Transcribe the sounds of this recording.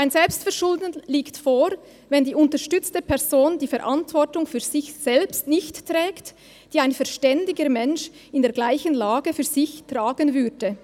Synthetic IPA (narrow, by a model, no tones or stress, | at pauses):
ʔaɪnzɛlpstfɛɐʁʃʊldənliːktfoːɾ | vɛndiːʊntəʁʃtʏt͡stəpʰɛʁzoːndiːfɛɾʔa̰ntvɔʁtʊŋfyːɐzɪçsɛlpstnɪçtːʁɛːkt | d̥iːaɪnfɛɐʃtɛndɪɡəmɛnʃ | ɪndeːɐɡlaɪçənlaːɡəfyːɐz̥ɪçtʁ̥aːɡənvʏdə